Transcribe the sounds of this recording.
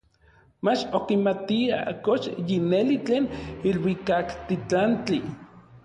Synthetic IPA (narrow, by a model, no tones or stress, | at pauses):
mat͡ʃokimat̪ia̰koʃjinelit͡ɬeːnilwikakt̪it͡ɬant͡ɬi